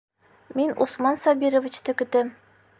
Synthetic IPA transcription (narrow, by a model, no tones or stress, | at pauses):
minṵsmɑnsɒbiɾŏvʲit͡ɕt̪ɘkɵ̆t̪ɘm